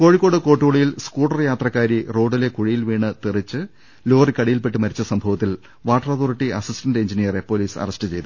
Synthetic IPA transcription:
ko̞ːɻikːo̞ːɽɨko̞ːʈːuːɭijilskuːɽɐrjaːt̪rɐkːaːɾiro̞ːɽile̞kuɻijilʋiːɳɨt̪irit͡ɕːɨ | lo̞ːrikɐɽɐjilpeʈːɨmɐɾit͡ɕːɐsɐmbʱɐʋɐt̪ːil | ʋaːʈːɐrɐt̪ʰoːriʈːiʔɐsistɐnde̞ɲd͡ʑinijɐre̞po̞ːliːsɐ̰rɐsʈɨt͡ɕe̞jt̪u

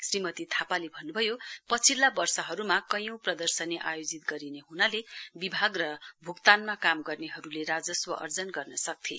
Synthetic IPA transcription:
srimʌt̪it̪ʰapalebʱʌnːubʱʌjopʌt͡sʰilːabʌrsʌɦʌɾumakʌjʌ̃w̃prʌd̪ʌrsʌneʔa̰jod͡zit̪ɡʌɾineɦunalebibʱaɡrʌbʱukt̪anmakamɡʌrneɦʌɾuleɾad͡zʌswʌʔʌ̰rd͡zʌnɡʌrnʌsʌk̚t̪ʰi

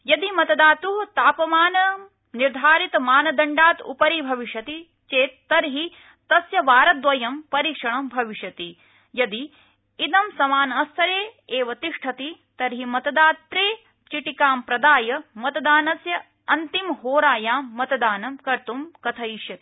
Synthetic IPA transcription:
jɐd̪imɐt̪ɐd̪aːt̪uɦt̪aːpɐmaːnɐ | niɾd̪ʱaːɾit̪ɐmaːnɐd̪ɐɳɖaːt̪ṵpɐɾibʱɐʋiʃjɐt̪i | t͡ʃeːt̪ːɐɾɦi | t̪ɐsjɐʋaːɾɐd̪ʋɐjɐmpɐɾiːkʂɐɳɐmbʱɐʋiʃjɐt̪i | jɐd̪iː | d̪ɐmsɐmaːnɐːst̪ʰɐɾeːeːʋɐt̪iʂʈʰɐt̪i | t̪ɐɾɦimɐt̪ɐd̪aːt̪ɾeː | t͡ʃiʈikaːmpɾɐd̪aːjɐmɐt̪ɐd̪aːnɐsjɐ | ɐnt̪imɦoːɾaːjaːmːɐt̪ɐd̪aːnɐmkɐɾt̪umkɐt̪ʰɐiʃjɐt̪i̥

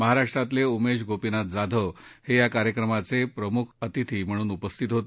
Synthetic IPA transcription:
məɦaɾaʂʈɾat̪leumeɕ̬ɡʱopinat̪̚d͡zad̪ʱəʋhejakaɾjəkɾəmat͡sepɾəmukʰət̪it̪ʰiːm̤əɽ̃uːnupəst̪ʰit̪ɦot̪

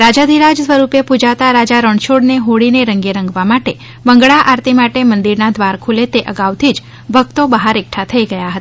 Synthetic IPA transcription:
ɾad͡ʒad̪ʱiɾad͡ʒsʋəɾupepud͡ʒat̪aɾad͡ʒaɾəɳʃoɽneɦoɽineɾəŋɡeɾə̃ŋɡʋamaʈe | bəŋɡɭaʔaɾt̪imaʈemənd̪iɾnad̪ʱʋaɾkʰulet̪eʔəɡaʋt̪ʰid͡ʒ | bʱəɡ̚t̪obəɦaɾek̚ʈʰat̪ʰəiɡəjaɦət̪a

